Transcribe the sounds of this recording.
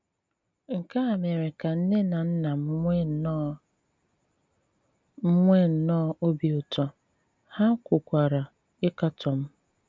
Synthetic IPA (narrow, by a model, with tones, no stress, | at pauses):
ŋ̩˨ka˦a˨me˨ɾɪ˨ka˨n̩˦ne˦na˨n̩˦na˨m˦ | m̩˦ŋʷe˦n̩˨nɔ˦o˦bi˨ʊ˨tɔ˦ | ha˦kʷʊ˨kʷa˨ɾa˨ | ɪ˦ka˦tɔ˨m̩˦